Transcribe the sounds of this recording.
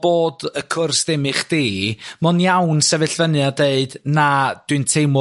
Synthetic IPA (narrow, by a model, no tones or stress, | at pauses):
b̥oːdəkʰʊrsðɪmɪχd̥iːmɔnjawnsɛvɨɬvənjadeɨdnad̥wɨntʰejmɔ